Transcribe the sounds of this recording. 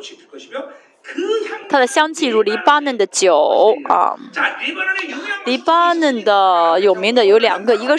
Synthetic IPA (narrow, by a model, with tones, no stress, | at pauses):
t̪ʰa˥d̪ə˨ɕjɑ˥ŋt͡ɕʰi˥˩ɻu˧˥li˧˥pa˥nə˥˩nd̪ə˩t͡ɕjo˨˩˦ɐ̰˧˩ | li˧˥pa˥nə˥˩nd̪ə˩jo˨˩ʊmi˧˥ŋd̪ə˨jo˧˥ljɑ̰˨˩ŋɡə˧i˧˥ɡə˧